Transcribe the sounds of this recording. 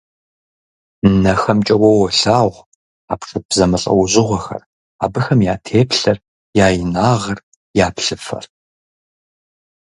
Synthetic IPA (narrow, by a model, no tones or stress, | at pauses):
nɐxɐmt͡ʃʼɐwɐwɔɬaːʁʷ | a̰ːpʂʼɨpzɐmɨɬʼɐ̰wʊʑʼɪʁʷɔxɐ̰r | aːbɨxɐmjaːtʰeːpʰɬɐr | jaːjɪnaːʁɐr | jaːpɬɨfɐ̰r